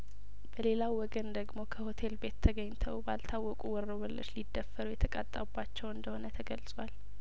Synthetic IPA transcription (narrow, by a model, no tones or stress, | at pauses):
b̥əle̞lawːɔɡənd̪əɡmo̞kʰəho̞t̪ʰe̞lbet̪ʰːəɡəɲt̪ʰəwba̰lt̪ʰawːɔkʼuwɔɾːoβəlːə̰t͡ʃːlid̪ːəfːəɾujɛt̪ʰəkʼa̰t̪ʼːa̰ubːat͡ʃːɛwɨnd̪əho̞nət̪ʰəɡəlsʼwal